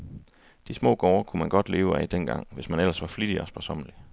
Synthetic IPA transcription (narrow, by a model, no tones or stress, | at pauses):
d̥ismɔ̰ːɡ̥ɒʊɐkʰumænɡ̥ɒ̽d̥le̝ːʊæd̥enɡ̥ɑ̈ŋ̰ʋe̝smænel̰ɐsʋɑ̈flid̥iɒ̽sb̥ɒsɒ̽m̰əli